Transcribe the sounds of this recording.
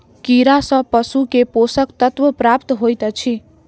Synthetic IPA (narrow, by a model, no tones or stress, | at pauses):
kiɾasʌ̃pʌsukeposəkt̪ʌt̪ʋəpɾapt̪ɦojt̪ət͡ʃʰi